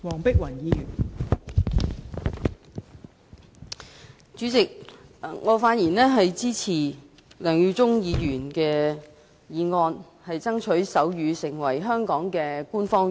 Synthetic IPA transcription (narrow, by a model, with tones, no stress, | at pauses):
wɔː˨˩ŋpɪ˥k̚wɐ˨˩njiː˨˧jyː˨˩n | t͡ʃyː˨˥t͡sɪ˨k̚ŋɔː˨˧faː˧˥t̚jiː˨˩nɛː˥ɦɐ˨jt͡siː˥t͡sʰiː˨˩ | lœː˨˩ŋjy˧t͡sʊ˥ŋjiː˧jyː˨˩nkɛː˧ | jiː˨˧ŋɔː˧n | hɐ˨jt͡sɐ˥ŋt͡ʃʰɵ˨˥ɥsɐ˨˥wjyː˨˧sɪ˨˩ŋwɐ˨˩jɦœː˥ŋkɔː˨˥ŋkɛː˧kuː˥nfɔː˥ŋ